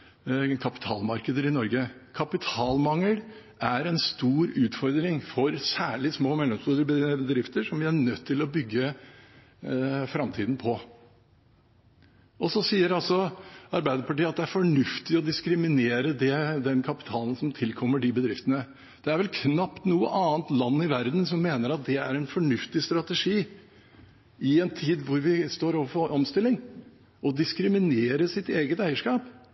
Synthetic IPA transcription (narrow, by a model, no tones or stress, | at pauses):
kʰɑpɪ̥t̪ʰɑːlmɑɾkəd̪əɾɪnɔɾɡəkʰɑpɪt̪ʰɑːlmɑŋːəlʔæɾɛnst̪uːɾʉːt̪fɔɾd̪ɾɪŋfɔɾsæːɭɪsmoːmɛlːɔmsbuːɾbəd̪ɾɪft̪əʂɔmʋɪæɳœt̪ʰːɪlɔbʏɡːə | fɾɑmt̪ʰiːd̪n̩pʰɔ | ɔsɔsiːəɾɑlsɔɑɾbæɪd̪əɾpʰɑʈiːəɑt̪̚d̪ɛæɾfɔɳʉft̪ɪɔd̪ɪskɾɪmɪneːɾəd̪ɛd̪ɛnkʰɑpɪ̥t̪ʰɑːln̩sɔmt̪ʰɪlkʰɔmːəɖibəd̪ɾɪft̪ənə | d̪̥ɛæɾʋɛlkʰnɑpt̪nuːə̰ʔɑːnt̪lɑnːɪʋæɾd̪nsɔmːeːnəɾɑt̪̚d̪ɛæɾɛnfɔɳʉft̪ɪst̪ɾɑt̪əʂiː | ɪɛnt̪ʰiːd̪ʋʊɾʋɪst̪oːɾɔʋəfɔʔɔmst̪ɪlːɪŋ | ɔd̪ɪskɾɪmɪneːɾəsɪt̪eːɡət̪æɪəʂkɑːp